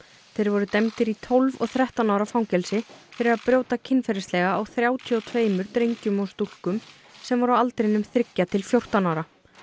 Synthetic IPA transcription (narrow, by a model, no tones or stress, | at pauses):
θejɾvɔɾʏt̪ɛmt̪ɪɾit̪ʰolvɔ̰ɣθɾɛht̪anawɾafawŋcɛlsɪfɪɾɪðaðpɾjoːwt̪acʰɪnfɛɾɪst̪lɛːɣaːwθɾjaːwt̪ʰiɔt̪ʰveːjmʏɾt̪ɾejɲcʏmɔst̪ul̥kʏm | sɛmvɔɾawalt̪ɾɪnːʏmθɾɪcːat̪ʰɪlfjowr̥t̪anaːwɾa